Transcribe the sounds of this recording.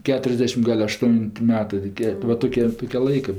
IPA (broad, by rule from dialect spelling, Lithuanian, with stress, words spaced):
ˈkʲæːtʲrʲɛzʲdʲɛʃʲɪm ˈɡɐlʲ ɐʃˈtʊnʲtʲ ˈmʲæːtɜ toːˈkʲiɛ ʋɐ ˈtoːkʲeː ˈtoːkʲeː ˈlˠɐɪkɜ